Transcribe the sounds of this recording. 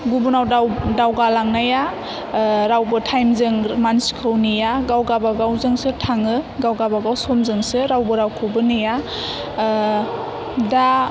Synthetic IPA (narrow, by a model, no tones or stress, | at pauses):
ɡubunawawdawɡalaŋnaja | ɾawbɯtʰajmzɯŋmansi̥kʰɯwnijaɡawɡabaɡawzɯŋsɯtʰaŋɯɡawɡabaɡawsomzɯŋsɯɾawbɯɾawkʰɯwbɯnɯja | da